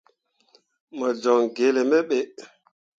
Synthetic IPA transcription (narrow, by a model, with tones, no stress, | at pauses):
mə˨d͡ʒɔ˨ŋɡe˨lɛ˨mɛ˦ɓɛ˨